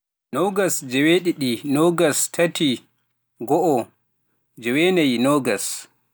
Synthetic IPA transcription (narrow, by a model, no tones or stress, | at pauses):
nɔɡasd͡ʒɛweɗiɗinɔɡastʰatʰi | ɡɔʔɔ | d͡ʒɛwenajnɔɡas